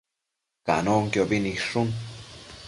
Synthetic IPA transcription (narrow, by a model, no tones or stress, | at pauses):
ka̰ʔnoŋkjobiniʂun